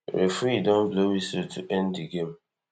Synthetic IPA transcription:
ɾefɾidõnblewisotʰuʔɛ̃ndiɡẽm

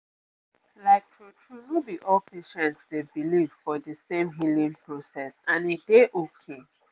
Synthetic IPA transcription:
laɪk̚tʰɹotʰunubiʔɔlpʰeʃɛ̃ntsdebilivfɔðəsẽmɦilĩŋpʰɹosɛsãnedeʔokʰe

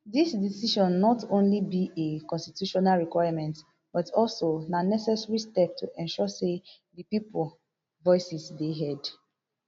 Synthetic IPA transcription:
disdisiʃɔ̃nːɔtõnlibiʔekɔ̃nstitjuʃɔnalɹikwaɪamɛ̃nt | b̥ɔtʰɔlsonanɛsɛsɹistɛp̚tʰuʔɛ̃nʃɔse | dipipol | vɔɪsisdeɦɛd

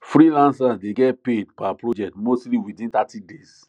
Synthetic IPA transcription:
fɾilãnsadeɡɛt̚pedpapɾod͡ʒɛk̚tmostliwidĩnt̪atides

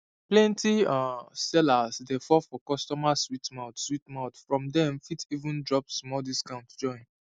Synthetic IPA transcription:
plɛ̃ntʰiasɛlasdefɔfɔkɔstɔmaswitmãʊtswitmaʊtfɹɔ̃mdɛ̃mfitʰivũndɹɔpsmɔldiskãʊ̃ntd͡ʒɔ̃ɪ̃n

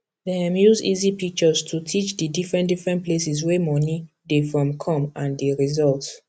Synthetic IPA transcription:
ðɛãmjuzizipik̚t͡ʃɔztʰutʰit͡ʃdidifɹɛ̃ndifɹɛ̃ntplesizwɛmɔni | defɹɔ̃mkʰɔ̃mãndeɹizɔlt

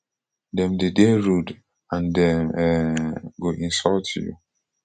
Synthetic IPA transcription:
dɛ̃mdedeɹud | ãndɛ̃mɛɡoʔĩnsɔltʰjṵ

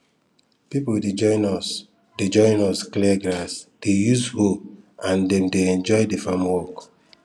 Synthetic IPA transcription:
pipolded͡ʒɔɪnɔs | ded͡ʒɔ̃ɪ̃nɔsklɛɡɹasd̥ejuzhoãndɛ̃mdeɛ̃nd͡ʒɔjdefãmwɔk

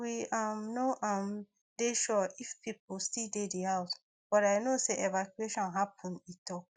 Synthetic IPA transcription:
wiamnoʔãm | deʃɔifpip̚ulstildediaʊt | b̥ɔɾaɪnoseʔevakjueʃɔ̃nɦapʰə̃nitʰɔk̚

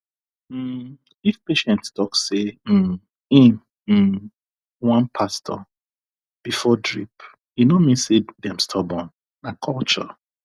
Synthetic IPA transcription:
m̩ | ifpeʃɛ̃ntstʰɔksem̩ | ĩn̩ | wãnpʰastʰɔ̰ | b̥ifɔdɹip | junɔmĩnsedɛ̃mstʰɔbɔ̃n | nakʰɔlt͡ʃɔ̰

